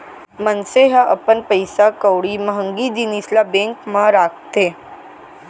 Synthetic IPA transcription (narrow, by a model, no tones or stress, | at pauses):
mənseɦãʔɐpənpəɪsakəwɽiməɦə̃ŋɡid̪inislabẽːŋkmãɾaːk̚t̪eː